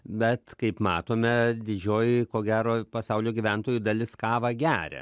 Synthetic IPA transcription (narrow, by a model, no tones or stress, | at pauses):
bʲɛt̪kɐɪpmɑːt̪oːmʲɛd̪ʲɪd͡ʒʲoːjkoːɡʲæːɾoːpɐsɐʊlʲoːɡʲiʋʲɛnt̪oːjuːd̪ɐlʲɪskɑːʋɐɡʲæːɾʲɛ̰